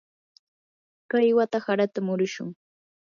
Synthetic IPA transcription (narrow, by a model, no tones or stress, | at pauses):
kajwat̪ahaɾat̪amʊɾʊʃʊ̰ŋ